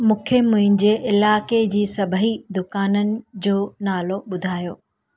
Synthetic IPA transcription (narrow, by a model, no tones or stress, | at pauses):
mũːkʰemʊ̃ɦɪ̃n̆d͡ʑeːʔɪlaːked͡ʑiːsɐbʱəɦid̪ʊkaːnənɪ̆d͡ʑoːnaːloɓʊd̪ʱaːjoː